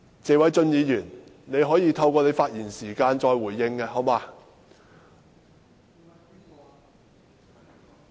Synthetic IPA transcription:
t͡seː˨˧wɐ˨˥jt͡sɵ˧njiː˨˧jyː˨˩n | ne˨˧jɦɔː˨˥jiː˧t̪ʰɐ˧wkɔː˧ne˨˧jfaː˧t̚jiː˨˩nsiː˨˩kaː˧nt͡ʃɔː˧jwuː˨˩jːɪ˧ŋkɛː˧ɦɐ˨˥wmaː˧

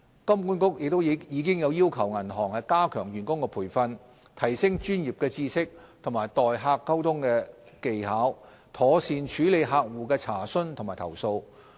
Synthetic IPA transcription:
kɐ˥mkuː˥nkʊ˥k̚jɪ˨k̚t̪o˥wjiː˨˧˥kɪ˥ŋjɐ˨˧wjiː˥wkʰɐ˨˩wŋɐ˨˩nɦɔː˨˩ŋhɐ˨jkaː˥kʰœː˨˩ŋjyː˨˩nkʊ˥ŋkɛː˧pʰuː˨˩jfɐ˧n | t̪ʰɐ˨˩jsɪ˥ŋt͡ʃyː˥njiː˨p̚kɛː˧t͡siː˥sɪ˥k̚ | t̪ʰʊ˨˩ŋmaː˨˩jt̪ɔː˨jɦaː˧kːɐ˥wt̪ʰʊ˥ŋkɛː˧ | ke˨jhaː˨˥w | t̪ʰɔː˨˥siː˨˧nt͡ʃʰyː˨˥le˨˧jɦaː˧k̚wuː˨˩kɛː˧t͡sʰaː˨˩sɵ˥nt̪ʰŋmaː˨˩jt̪ʰɐ̰˨˩wso˧w

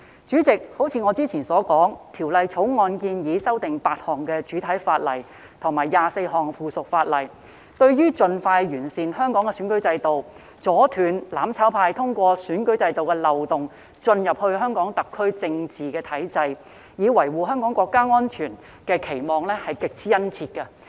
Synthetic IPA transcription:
t͡ʃyː˨˥t͡sɪ˨k̚ho˨˥wt͡sʰiː˧ŋɔː˨˧t͡siː˥t͡sʰiː˨˩nsɔː˨˥kɔː˨˥ŋt̪ʰiː˨˩wlɐ˨jt͡sʰo˨˥wŋɔː˧nkiː˧njiː˨˧sɐ˥wt̪ɪ˨ŋpaː˧t̚hɔː˨˩ŋkɛː˧t͡ʃyː˨˥t̪ʰɐ˨˥jfaː˧t̚lɐ̰˨˩j | t̪ʰʊ˨˩ŋmaː˨˩jːaː˨se˧jɦɔː˨˩ŋfuː˨˩sʊ˨k̚faː˧t̚lɐ˨˩j | t̪ɵ˧ɥjyː˥t͡sɵ˧nfaː˧jjyː˨˩nsiː˨nɦœː˥ŋkɔː˨˥ŋkɛ˧syː˨˥nkɵ˨˥ɥt͡sɐ˧jt̪o˨w | t͡sɔː˨˥t̪ʰyː˨˧nlaː˨˥mt͡sʰaː˨˥wpʰaː˧jt̪ʰʊ˥ŋkʷɔː˧syː˨˥nkɵ˨˥ɥt͡sɐ˧jt̪o˨wkɛː˧lɐ˨wt̪ʊ˨ŋ | t͡ʃɵ˧njɐ˨p̚hɵ˧ɥɦœː˥ŋkɔː˨˥ŋt̪ɐ˨kʰːɵ˥ɥt͡sɪ˧ŋt͡siː˨kɛː˧t̪ʰɐ˨˥jt͡sɐ˧j | jiː˨˧wɐ˨˩jwuː˨ɦœː˥ŋkɔː˨˥ŋkʷɔː˧kːaː˥ŋɔː˥nt͡ʃʰyː˨˩n | kɛː˧kʰe˨˩jmɔː˨˩ŋlɛ˥hɐ˨jkɪ˨k̚t͡sʰiː˥jɐ˥nt͡sʰiː˧t̚kɐ˧

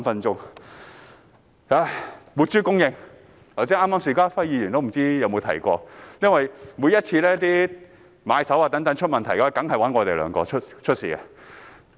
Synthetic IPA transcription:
fɐ˧nt͡ʃʊ˥ŋ | a˧mu˨˧t̚t͡ʃyː˥kʊ˥ŋjɪ˧ŋ | t̪ʰwsiː˥ʔaː˥mːaː˥msiː˨˧kaː˥fɐ˥jiː˨˧jy˨˩nt̪o˥m̩˨˩t͡siː˥jɐ˧wmo˨˧wt̪ʰɐ˨˩jkɔː˧jɐ˥nwɐ˨jmu˨˧jɐ˥t̚t͡sʰiː˧lɛː˥t̪iː˥ | ma̰ː˨˧jsɐ˨˥waː˨˩t̪ɐ˨˥ŋt̪ɐ˨˥ŋt͡ʃʰɵ˥t̚mɐ˨nt̪ʰɐ˨˩jka˧˥˨jkɐ˨˥ŋɦɐ˨jwɐ˨˥nŋɔː˨˧t̪e˨jlœ̰ː˨˧ŋkɔ̰ː˧t͡ʃʰɵ˥t̚t͡ʃʰɵ˥t̚sḭː˨ɐ̰˧

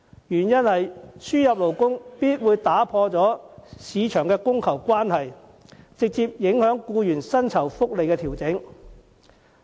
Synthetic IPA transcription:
jyː˨˩njɐ˥nhɐ˨jsyː˥jɐ˨p̚lo˨˩wkʊ˥ŋpiː˥t̚wuː˨˧jt̪aː˨˥pʰɔː˧t͡sɔː˨˥siː˨˧t͡ʃʰœː˨˩ŋkɛː˧kʊ˥ŋkʰɐ˨˩wkʷaː˥nhɐ˨j | t͡sɪ˨k̚t͡siː˧p̚jɪ˨˥ŋhœː˨˥ŋkuː˧jyː˨˩nsɐ˥nt͡sʰɐ˨˩wfʊ˥k̚le˨jkɛː˧t̪ʰiː˨˩wt͡sɪ˨˥ŋ

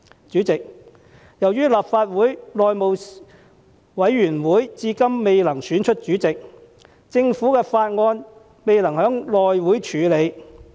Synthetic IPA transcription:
t͡ʃyː˨˥t͡sɪ˨k̚ | jɐ˨˩wjyː˥laː˨˩p̚faː˧t̚wuː˨˥jlɔː˨jmo˨w | wɐ˨˥jːyː˨˩nwuː˨˥jt͡siː˧kɐ˥mːe˨jlɐ˨˩ŋsyː˨˥nt͡ʃʰɵ˥t̚t͡ʃyː˨˥t͡sɪ˨k̚ | t͡sɪ˧ŋfuː˨˥kɛː˧faː˧t̚ŋɔː˧n | me˨jlɐ˨˩ŋhœː˨˥ŋlɔː˨jwuː˨˥jt͡ʃʰyː˨˥le˨˧j

